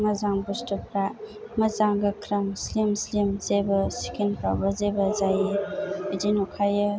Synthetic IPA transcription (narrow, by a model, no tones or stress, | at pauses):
mɐzaŋbustupɾa | mɐzaŋɡɐkʰɾɐmslimslimzebɐsi̥kʰinpa̰wbɐzebɐzajeidinukʰajɯ